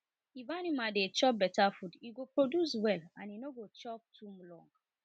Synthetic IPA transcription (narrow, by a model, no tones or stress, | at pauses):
ivanimadet͡ʃɔp̚bɛtafudiɡopɹodjuswɛlã̰ninoɡot͡ʃɔp̚tʰumlɔ̰̃ŋɡ